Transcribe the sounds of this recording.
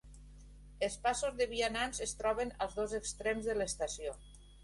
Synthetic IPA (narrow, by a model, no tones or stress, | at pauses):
elˠspasozðeβiananzest̪ɾɔβena̰lˠzðozekst̪ɾɛmzðəlest̪asio